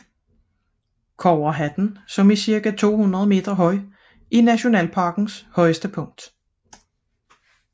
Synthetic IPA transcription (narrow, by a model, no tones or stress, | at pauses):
kʰɒʊɐɦæd̥n̩sɒ̽misiɐɡ̥æt͡sʰo̝̰ːhunʁɐð̞̩ˠme̝̰ːd̥ʁɐɦɒ̽ɪ | ʔinæɕo̝nɛ̰ːlpʰɑ̈ɡ̥n̩shɒ̽ɪəsd̥əpʰɔ̽ŋ̰d̥